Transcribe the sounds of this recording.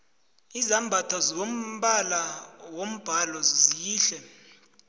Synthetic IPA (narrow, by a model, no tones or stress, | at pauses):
izambʱatʰazom̩ɓalawom̩b̥ʱalɔzzijiːɬɛ